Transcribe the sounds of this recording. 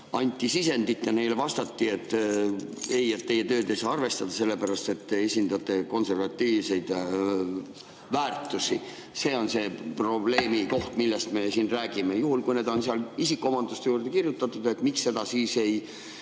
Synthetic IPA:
ɑnʲt̪ʲːˑisise̞nd̪it̪ːjɑne̞jlevɑst̪ɑt̪ːiet̪ːˑ | e̞jet̪ːe̞je̞t̪ø̞ːd̪e̞jsɑːɑrve̞st̪ɑd̪̥ɑse̞lːe̞pæɾɑst̪e̞t̪ːeesʲind̪ɑt̪ːˑe̞ko̞nse̞rvɑt̪ːiːvse̞jd̪̥ | væːrt̪ːˑusi | se̞ːo̞nse̞pro̞ble̞ːmiko̞ht̪milːest̪me̞siːnræːɡ̥ime̞juɦulkujne̞ːd̪o̞nseɑlisikːˑoo̞mɑnd̪ust̪ejuːrd̪e̞kirjut̪ːˑɑt̪ːˑud̪̥ek̪miksːe̞d̪̥ɑsiːse̞j

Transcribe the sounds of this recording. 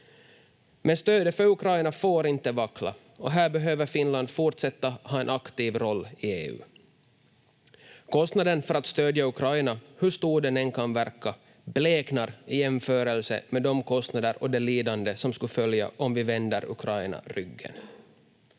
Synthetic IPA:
mɛnst̪øːd̪əfœɾɵkʰɾajnafoːɾɪnt̪əvakla̰ | ɔɦæːɾbɛɦøːvəɾfɪnland̪fʊʈʂɛt̪ːahɑːɛnʔakt̪iːvɾɔlːɪeːʉ̰ː | kʰɔst̪nad̪ənfœɾat̪st̪øːd̪jaʉkʰɾajnahɵʂt̪uːɖɛnɛnkʰanvæɾkːa | bleːknaɾɪjɛmføːɾəlsə̰mɛd̪ɔmkʰɔst̪nad̪əɾɔd̪ɛliːd̪and̪əsɔmskɵfœlja̰ʔɔmvɪvɛnd̪əɾɵ̰kʰɾajna̰ɾʏɡːə̰n

